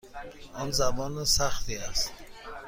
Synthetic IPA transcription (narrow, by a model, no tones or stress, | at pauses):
ɔnzabɔnsaχt̪iast̪